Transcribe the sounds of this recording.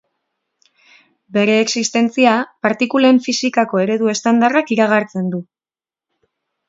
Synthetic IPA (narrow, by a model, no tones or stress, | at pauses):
be̞ɾe̞ːksist̪e̞nt͡siapaɾt̪ikuleɱfisikako̞e̞ɾe̞ðue̞st̪and̪arakiɾaɣ̞aɾt͡se̞nd̪u